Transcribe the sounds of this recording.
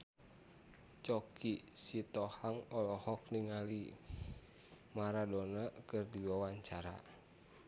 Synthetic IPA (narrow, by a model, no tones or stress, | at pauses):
t͡ʃɔkisit̪ɔhaŋɔlɔhɔk̚niŋali | maɾadɔnakɨrdiwawaɲt͡ʃaɾa̰